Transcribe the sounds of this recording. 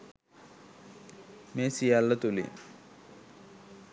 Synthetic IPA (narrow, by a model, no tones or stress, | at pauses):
meːsijalːɐt̪ulḭ